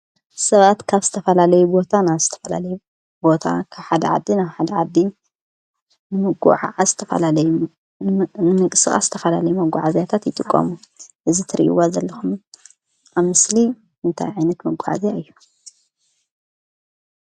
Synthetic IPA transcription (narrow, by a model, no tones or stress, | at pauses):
sɐβat̪kʰaβzɨt̪ʰɐfɐlalɐjubo̞t̪ʰanaβzɨt̪ʰɐfɐla̰lɐju | bo̞t̪ʰa̰kʰaβħad̪ɐʕa̰d̪ːinaβħad̪ɐʕad̪ːi | nɨmɐɡṵʕaazɨt̪ʰɐfɐ̰lalɐj | nɨmɨkʼɨsɨxʼa̰szɨ̥t̪ʰɐfɐlalɐjumɐɡʷaʕazjat̪ʰat̪jɪt̪ʼɨkʼːɐ̰muʔɨzit̪ʰɨɾḭʔḭwazɐlːɐxum | ʔaβmɨsli | ʔɨnt̪ʰa̰jʕajnɐt̪mɐɡʷuʕa̰zjaɨjːu